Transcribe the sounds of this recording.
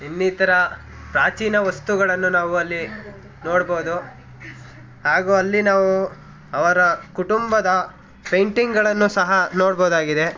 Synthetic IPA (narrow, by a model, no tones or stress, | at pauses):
inːiːt̪ɐɾɐ | pɾaːt͡ʃiːnɐʋɐst̪uɡɐɭɐnːunaːʋuɐlːi | noːɽboːd̪u | ɦaːɡuːɐlːinaːʋu | ɐʋɐɾɐkuʈumbɐd̪ɐ | pejɳʈiŋɡɐɭɐnːusɐɦɐnoːɽboːd̪aːɡid̪e̞